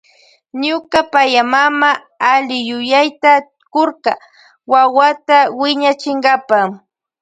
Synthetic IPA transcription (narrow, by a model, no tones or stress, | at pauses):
ɲʊkapajamama | alɪjʊjajt̪a | koɾɢa | wawat̪awɪɲat͡ʃɪŋɢɑpa